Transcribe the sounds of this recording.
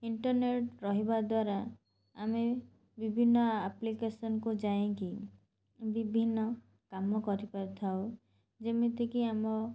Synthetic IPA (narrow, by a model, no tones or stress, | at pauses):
iɳʈɔɾneʈɾɔɦibad̪waɾa̰ː | me | bibʱinːɔaplikesɔnɔkud͡ʒajẽŋki | bibʱinːɔ | kamɔkɔɾipaɾt̪ʰaw | d͡ʒemet̪ekiamɔ